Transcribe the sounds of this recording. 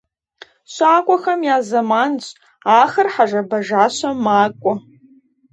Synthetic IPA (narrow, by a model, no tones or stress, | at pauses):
ʃʷaːkʷʼaxamjazamant͡ɕʷʼ | aχərħaʒʷabaʒaʃʷamakʷʼʊ